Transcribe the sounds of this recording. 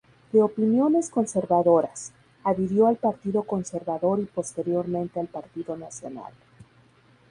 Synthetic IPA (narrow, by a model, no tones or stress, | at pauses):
d̪̥e̞o̞pinjo̞ne̞sko̞nse̞ɾβaðo̞ɾas | aðiɾjo̞alpaɾt̪iðo̞ko̞nse̞ɾβaðo̞ɾipo̞st̪e̞ɾjo̞ɾmẽnt̪ealpaɾt̪iðo̞nasjo̞̰na̰l